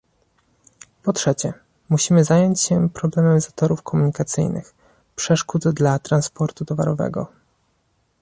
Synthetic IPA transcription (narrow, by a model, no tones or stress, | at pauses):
pɔtʂɛt͡ɕɛ | muɕimɘzajɔɲt͡ɕɕɛpɾɔblɛmɛmzat̪ɔɾufkʰɔmuɲikat̪sɘ̰jnɘ̰x | pʂɛʂkud̪d̪lat̪ɾanspɔɾt̪ut̪ɔva̰ɾɔvɛ̰ɡɔ̰